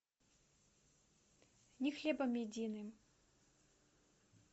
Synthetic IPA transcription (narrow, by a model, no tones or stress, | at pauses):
nʲixlʲɛbɐmjɛdʲinɨm